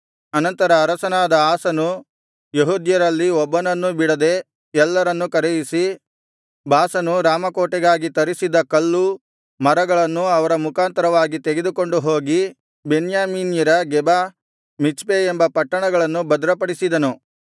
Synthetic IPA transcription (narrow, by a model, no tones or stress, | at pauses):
ɐnɐnt̪ɐɾɐːɾɐsɐnaːd̪ɐaːsɐnu | jeɦuːd̪jɐɾɐlːiɔbːɐnɐnːubiɽɐd̪e̞ | ɛlːɐɾɐnːukɐɾejisi | baːsɐnuɾaːmɐkoːʈɛɡaːɡit̪ɐɾisid̪ɐkɐlːu | mɐɾɐɡɐɭɐnːuɐʋɐɾɐmukʰaːnt̪ɐɾɐʋaːɡit̪eɡed̪uko̞ɳɖuɦo̞ːɡi | benjaːmiːnjɐɾɐɡɛbaː | mit͡ʃpeembɐpɐʈːɐɳɐɡɐɭɐnːubɐd̪ɐɾɐpɐɽisid̪ɐnu